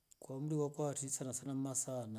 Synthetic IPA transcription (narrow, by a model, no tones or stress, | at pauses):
kwamuɾiwakʼwatʰisanasanammasaːna